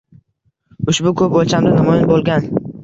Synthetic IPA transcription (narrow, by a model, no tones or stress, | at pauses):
ʊʃbʊkʰɵp̚olˠt͡ʃʰamd̪ɪnamɔjɪnbolˠɡʲan